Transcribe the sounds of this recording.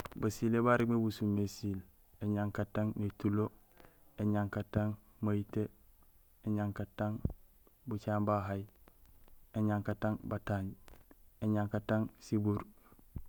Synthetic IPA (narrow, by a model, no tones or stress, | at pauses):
basilebaɾiɡmebusumesil | eɲaŋkataŋnetulo | eɲaŋkataŋ | majite | eɲaŋkataŋ | but͡ʃaːmbaɦaj | eɲaŋkataŋbataɲ | eɲaŋkataŋsibuɾ